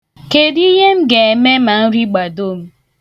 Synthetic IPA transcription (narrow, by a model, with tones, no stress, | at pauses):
ke˨di˦ɦe˦m̩˦ɡe˨e˨me˦ma˨n̩˦ɾi˦ɡ͡ba˨do˦m̩˦